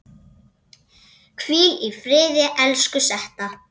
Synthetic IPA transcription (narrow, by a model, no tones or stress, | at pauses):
kʰviːlifɾɪːðɪʔɛlskʏsɛht̪a